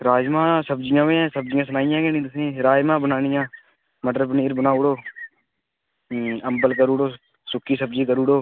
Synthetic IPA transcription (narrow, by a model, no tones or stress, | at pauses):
ɾaːd͡ʒmãːsəbd͡ʒɪjãːʋẽːãːsəbd͡ʒɪjãːsənaːɪjãːɡeːnĩːt̪ʊsĩːɾaːjmãːbənaːnɪjãː | məʈɾəbniːɾbənaːʊɽoː | əmbəlkəɾuːɽoː | sʊkiːsəbd͡ʒiːkəɾuːɽoː